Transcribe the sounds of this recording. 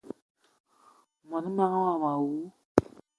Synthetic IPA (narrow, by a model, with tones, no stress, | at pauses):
mɔ˨ni˦mã˦ŋ˦wa˦˨ma˨wu˨˦